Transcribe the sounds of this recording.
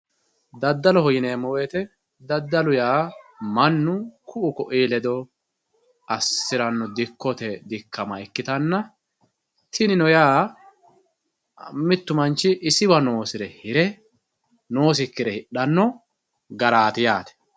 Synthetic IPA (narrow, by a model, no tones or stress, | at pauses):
d̪ɐd̪ːɐlɔhɔjɪneːmːɔweːt̪ɛ | d̪ɐd̪ːɐlʊjaːmɐnːʊkʰʊʔʊkɔʔiːlɛd̪ɔ | ɐsːɪɾɐnːɔd̪ɪkːɔt̪ɛd̪ɪkʰːɐmɐɛkːɪt̪ɐnːɐ | t̪ʰɪnɪnɔjaː | mɪt̪ːʊmɐnt͡ʃːɪʔɪsɪwɐno̞ːsɪɾɛhɪɾɛ | noːs̬ɪkːɪɾɛhɪɗːɐnːɔ | ɡɐɾaːt̪ɪjaːt̪ɛ̥